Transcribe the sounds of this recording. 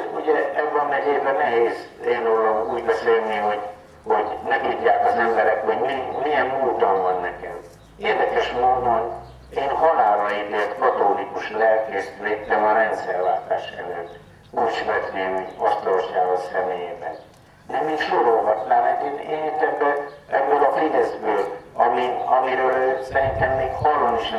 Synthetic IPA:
uɟɛɛbːɒnːɛɦeːzɛnɛɦeːzeːnolːomuːɟbɛseːlniho̞ɟ | hoɟnɛt̪uɟːaːkɒzɛmbɛɾɛkhoɟmimijɛmmoːt̪oɱvɒnːɛkɛm | eːrd̪ɛkɛʃmoːd̪om | eːnɦɒlaːɾɒed̪et̪kɒt̪olikuʃlɛlkeːsyleːt̪ːɛmɒɾɛnt̪sɛrʋaːt̪aːʃɛ̰løːt̪ː | uːt͡ʃvɛt̪neːmiɒst̪oʃaːɡosɛmeːjeːbɛn | emeːkʃoɾolɦɒt̪naːmɛk̪eːnḛːit̪ɛbːølɛbːøːlɒfid̪ɛzbøːlɒmiɒmiɾøːlsɛɾint̪ɛmːeːkhɒlːɒnoʃ

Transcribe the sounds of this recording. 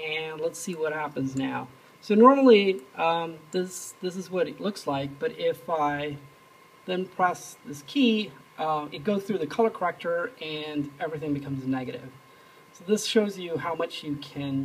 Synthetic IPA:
ɨ̃nlətsiwʌt̚hæpɨ̃nznaʊ | soʊnɔɹml̩ˠiʔʌ̃mðɪsðɪs̬ɨzwʌɾɨtˡlʊkslaɪk̚b̥ʌɾʔɪfaɪ | ðɨ̃npʰɹ̥ɛsðɪskʰiʔʌ̃ɨt̚ɡ̥oʊz̥θɹʉðɨkʰʌlˠə˞kʰə˞ɛk̚tə˞ɨ̃nɛvɹiθɪ̃ŋbɨkʰʌ̃mznɛɡɨɾɪ̰v̥ | soʊðɪsʃoʊzjɨhaʊmʌt͡ʃjɨkʰɨ̃n

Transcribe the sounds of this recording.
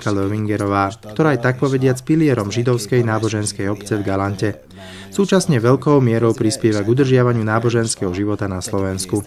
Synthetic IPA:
kalɔʋiŋɡɛɾɔʋaːkt̪ɔɾaːjt̪ak̚pɔʋɛɟɪat͡spilɪɛɾɔmʒid̪ɔʊskɛjnaːbɔʒɛnskɛjɔpt͡sɛvɡalancɛ | suːt͡ʃasɲɛʋɛʎkɔʊmɪɛɾɔʊpɾispɪɛʋaɡud̪r̩ʒɪaʋaɲɪunaːbɔʒɛnskɛɦɔʒiʋɔt̪anaslɔʋɛnsku

